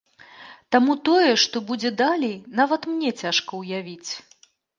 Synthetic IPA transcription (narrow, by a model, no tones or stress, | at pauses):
t̪amut̪ɔjɛʂt̪ɔbud͡zʲɛd̪alʲɛjnavɐt̪mnʲɛt͡sʲaʂkɐwjavʲit͡sʲ